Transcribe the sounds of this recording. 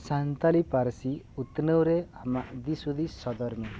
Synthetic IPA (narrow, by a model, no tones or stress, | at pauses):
sant̪alipaɾsi | ut̪nəwɾeamaʔd̪isud̪ʱisɔd̪ɔɾme